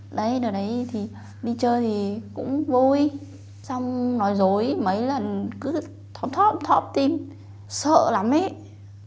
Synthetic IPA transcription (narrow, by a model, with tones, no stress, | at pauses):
ɗə˨˧˦jɗɨ˨˩ɗə˨˦jt̪ʰi˨˩ | ɗi˧t͡ɕəː˧jt̪ʰi˨˩kʊ̰˧˥ŋ͡mvo˧i˧ | sa˧wŋ͡mnɔ˨˦jzo˨˦jmə˨˦jlə˨˩nkɨ˨˦ | t̪ʰə˨˦wt̪ʰɔ˦˥p̚t̪ʰɔ˦˥p̚t̪i˧m | sə̰ː˧˨la˨˦mʔe˧˦